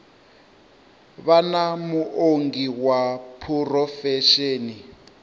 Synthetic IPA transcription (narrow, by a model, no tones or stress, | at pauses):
βanamuʔoŋɡiwapʰurɔfɛʃeːni